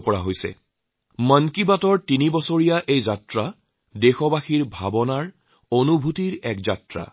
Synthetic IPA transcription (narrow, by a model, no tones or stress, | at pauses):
pɔɹa̰ɦojsɛ̰ | mankibatɔɹtinibɔsoɹijaʔejzatɹa | dexɔbaxiɹbʱabɔnaɹ | onubʱutiɹɛkzatɹa̰